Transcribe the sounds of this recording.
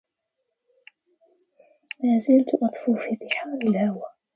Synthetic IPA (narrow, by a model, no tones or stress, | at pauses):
maːzalt̪ʔɑt̪ˤfuːfiːt̪ɪħaːɾɪlhawa